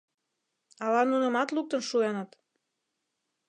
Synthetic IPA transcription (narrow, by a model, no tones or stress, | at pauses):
ɑlɑnunə̆mɑt̪luk̚t̪ənʃuenɤt̪